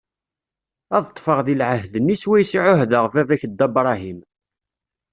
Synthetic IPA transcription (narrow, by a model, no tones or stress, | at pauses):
æðət̪ˤːfəʁðilʕəhðənːiswæjsiʕʊhðəʁvævæçəd̪ːæbɾˤɑɦim